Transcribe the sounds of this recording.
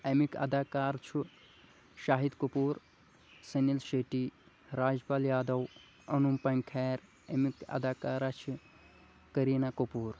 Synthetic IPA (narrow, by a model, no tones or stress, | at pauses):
emikɐ̰d̪aːkaːɾt͡ʃʰu | ʃaːɦid̪kupuːɾ | sɐnilʃeʈi | ɾaːd͡ʒpaːljaːd̪ɐw | ɐnumpɐŋkʰɛːɾ | emikɐ̰d̪aːkaːɾat͡ʃʰi | kɐɾiːnakopuːɾ